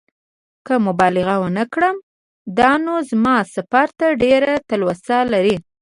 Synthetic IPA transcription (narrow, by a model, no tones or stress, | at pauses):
kəmʊbɑlɪɣawənəkɽəm | d̪ɑnozmɑsafaɾt̪aɖeɾat̪alwasalaɾi